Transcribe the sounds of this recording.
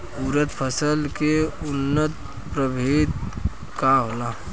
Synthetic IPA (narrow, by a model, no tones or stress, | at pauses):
uɾət̪pʰəsəlkeʊnːət̪̚ | pɾəbʱit̪̚ | kaɦola